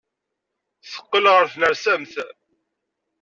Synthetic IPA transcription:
θə̥qːəlʁəɾθnəɾsæmθ

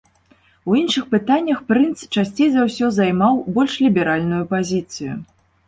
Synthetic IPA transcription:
winʂɨxpɨt̪anʲːɐxpɾɨnt̪st͡ʂasʲt͡sʲejzawsʲɔzajmawbɔlʲʂlʲibʲɛɾalʲnujupazʲit̪sɨjṵ

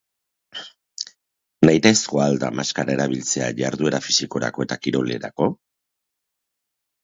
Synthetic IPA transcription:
najt̪eskoald̪amaskaɾaeɾaβilt͡se̞a̰ʝaɾðue̞ɾafisiko̞ɾa̰ko̞e̞t̪akiɾo̞le̞̰ɾako̞

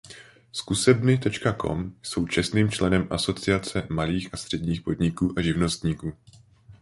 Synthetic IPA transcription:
skusɛbnɪt̪ɛt͡ʃkakʰo̞̰mjso̞wt͡ʃɛst̪niːmt͡ʃlɛnɛmʔaso̞t͡sɪat͡sɛmaliːxʔast̪r̥ɛdɲiːxpo̞dɲɪkuːʔaʒɪvno̞st̪ɲiːkuː

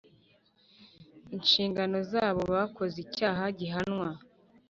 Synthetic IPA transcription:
inʃiːŋɡano̞zaːβo̞βaβkʰo̞zicaːɦaɟiɦanŋwa

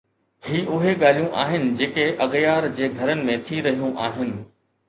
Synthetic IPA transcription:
hiːʔʊɦeɠaːl̤ijũʔa̰ːɦɪnɪ̆d͡ʑeːkeʔɐɠjaːɾd͡ʑeːɡʱɐɾənɪ̆mẽt̪ʰiɾɐɦijũʔaːɦɪnɪ̆

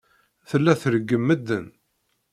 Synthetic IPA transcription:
θəlːæθəɾəɡːəmːəd̪ːən

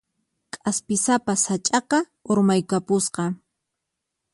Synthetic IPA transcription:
kʼaspɪsapasat͡ʃʼɑqɑ | oɾmajkapʊsqɑ

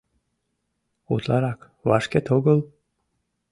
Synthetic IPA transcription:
ṵt̪lɑɾɑk | vɑʃkʲet̪ʰoɡəlˠ

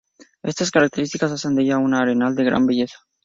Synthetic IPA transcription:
e̞st̪askaɾak̚t̪eɾist̪i̥kasasend̪ejʝaunaːɾenald̪e̞ɣɾa̰mbiʝesḁ

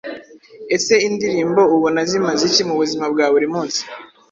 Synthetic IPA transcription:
e̞se̞indiɾiːmbo̞uβonazimazicimuβuzimabɡaːβuɾimuːnsi̥

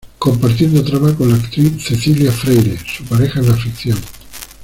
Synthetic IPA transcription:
ko̞mpaɾt̪̬jend̪ot̪ɾaβakonlaːkt̪ɾiθθe̞θiljafɾejɾesupaɾexaenlafikθjoŋ

